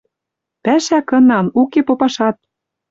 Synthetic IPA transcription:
pæʃækɤ̆nɑmukepopɑʃɑt̪̚

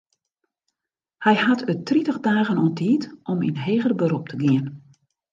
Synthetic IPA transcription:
hɛjhatʰøtritəɣdaːɣənɔntʰiːtʔɔmḭnɦeːɣərbəɾup̚tʰəɡiən

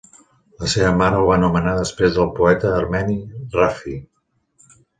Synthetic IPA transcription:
ləseβəmaɾəuβanumənaðəspɾezðəlˠpuɛt̪əːrmɛnirafi

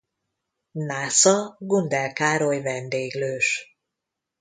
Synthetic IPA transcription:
naːsɒɡund̪ɛlkaːɾojvɛnd̪eːɡløːʃ

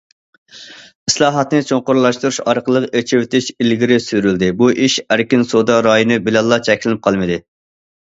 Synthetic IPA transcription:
islˠɑːɦɑt̪nɨt͡ʃʰoŋqʊɾlˠɑʃt̪uɾuʃɑɾqəlˠəqet͡ʃʰɪwt̪ʰɪʃilɡʲiɾɪsyɾyld̪ɪbuʔiʃæɾkʲinsod̪ɑɾɑjonɨbɪlɛlˠːɑt͡ʃʰɛkʲlɪnɪp̚qʰɑlˠmɨd̪ɪ

